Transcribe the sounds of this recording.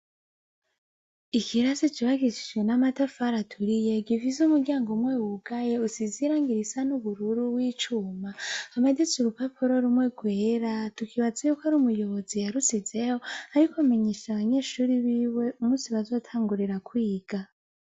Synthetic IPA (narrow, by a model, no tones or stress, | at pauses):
ikʰiɾazit͡ʃiβaɡiʃi̥d͡ʒɡwenamatafaɾatʰuɾije̞ɡivizumuɾɡɟaːŋɡomwewuɡaje̞usiziɾaːŋɡiɾisanuβuɾuɾuwiːt͡ʃuːmaːmadet͡suɾupapʰoɾo̞ɾumwe̞ɡwe̞ːɾatukʰiβazajukaɾumujo̞βo̞zijaɾusize̞ho̞aɾikʰome̞ɲeʃaβaɲe̞ːʃuɾiβiːwe̞ʔumusiβazo̞ːtʰaːŋɡuɾiɾakwiːɡ̥a